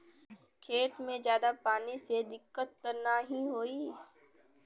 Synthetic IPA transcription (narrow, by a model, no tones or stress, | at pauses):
kʰeːt̪mẽzjaːd̪apaːnised̪ɪkːət̪̚ːəɾnaɦĩɦoːiː